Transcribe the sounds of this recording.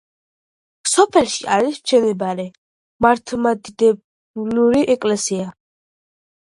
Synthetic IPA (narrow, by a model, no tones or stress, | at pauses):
sɔpʰɛlˠʃiʔaɾist͡ʃʰɛnɛbaɾɛ | maɾt̪ʰlmad̪id̪ɛb | luɾiʔɛkʼlɛsia